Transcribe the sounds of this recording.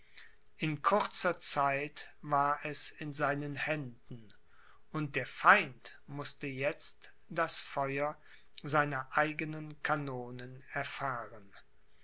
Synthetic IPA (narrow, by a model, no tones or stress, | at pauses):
ʔɪnkʰʊʁt͡sɐt͡saɪtvaːɐʔɛsɪnzaɪnənhɛndn̩ | ʔʊnt̚d̥eːɐfaɪnt | mʊstəjɛt͡st | d̥asfɔʏɐ | zaɪnɐʔaɪɡənənkʰanoːnənɛɐfaːʁən